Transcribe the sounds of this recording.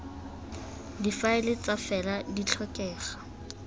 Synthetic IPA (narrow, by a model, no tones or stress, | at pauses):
difaɪlɪt͡safɛladit͡ɬʰɔkʼɛːχḁ